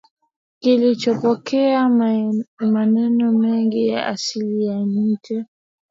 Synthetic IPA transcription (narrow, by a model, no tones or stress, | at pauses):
kilit͡ʃɔpɔkɛa | manɛnɔmɛŋɡija̰ʔasilijaɲikɛ